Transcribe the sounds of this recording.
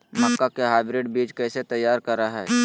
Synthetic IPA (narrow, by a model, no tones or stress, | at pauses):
məkːakeɦaːɪbɾeːɖbiːd͡ʒkɛːset̪ɐjːaːɾkɐɾaɦɛː